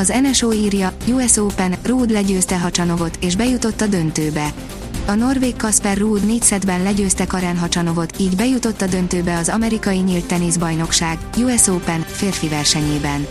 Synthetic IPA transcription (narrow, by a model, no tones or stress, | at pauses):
ɒzɛnɛʃoːiːrjɒjuɛsoːpɛnruːd̪lɛɟøːst̪ɛɦɒt͡ʃɒno̞vo̞t̪eːʒbɛjut̪o̞t̪ːɒd̪ø̞nt̪øːbɛ | ɒno̞rveːkːɒspɛrːuːd̪neːcsɛd̪bɛnlɛɟøːst̪ɛkɒɾaːnɦɒt͡ʃɒno̞vo̞t̪iːɟbɛjut̪o̞t̪ːɒd̪ø̞nt̪øːbɛɒzɒmɛɾikɒjiɲiːlt̪ːɛneːzbɒjno̞kʃaːɡ | juɛsoːpɛnfeːrfivɛrʃɛɲeːbɛn